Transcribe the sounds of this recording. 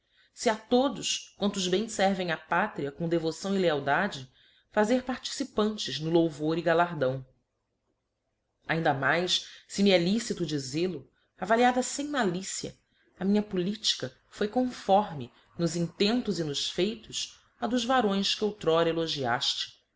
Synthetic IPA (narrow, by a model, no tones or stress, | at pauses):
sɪat̪od̪ʊskwɐ̃nt̪ʊːzbẽj̃sɛɾvẽj̃apat̪ɾiɐkõd̪evosɐ̃w̃ileawd̪ad͡ʒɪ | fazeɾpaɾt͡ʃi̥sipɐ̃nt͡ʃɪznʊlowvoɾiɡalaɾd̪ɐ̃w̃ | aĩnd̪ɐmajssɪmiɛlisit̪ʊd͡ʒizelʊ | avaliad̪ɐsẽj̃malisiɐ̰ | ɐmĩɲɐpulit͡ʃi̥kɐ | fojkõfɔɾmɪ | nʊzĩt̪ẽnt̪ʊzinʊʃfejt̪ʊs | ad̪ʊzvaɾõj̃skɪowt̪ɾɔɾeloʒia̰ʃt͡ʃɪ̥